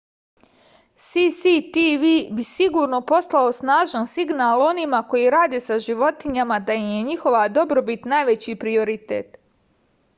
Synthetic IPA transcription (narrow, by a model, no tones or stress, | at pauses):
sisit̪iʋibisiɡuːɾno̞po̞slao̞snaːʒansiɡnaːlˠo̞nimako̞jiɾaːd̪eːsaʒiʋo̞t̪iɲamad̪aimje̞ɲixo̞ʋad̪o̞bɾo̞bit̪naːjʋe̞t͡ɕipɾio̞ɾit̪ḛːt̪